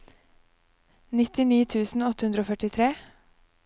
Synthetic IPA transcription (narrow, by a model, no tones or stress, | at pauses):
nɪt̪ɪniːt̪ʰʉːsn̩ɔt̪ə̥hʉnd̪ɾəoːfœʈɪt̪ʰɾeː